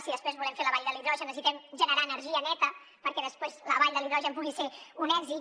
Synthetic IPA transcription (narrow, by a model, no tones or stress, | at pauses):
siðəspɾezβulɛmfeləβaʎd̪əliðɾɔʒənəsit̪ɛmʒənəɾaːnəɾʒiənɛt̪ə | pəɾkɛðəspɾezləβaʎd̪ðəliðɾɔʒəmpuɣiseunɛɡzi